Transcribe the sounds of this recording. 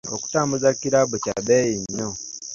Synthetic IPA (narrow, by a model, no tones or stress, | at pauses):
o̰ku̥taːmbuzakiɾabuca̰bejiɲːo